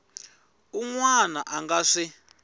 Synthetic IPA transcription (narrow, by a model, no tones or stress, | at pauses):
uŋwanaʔaŋɡaʂi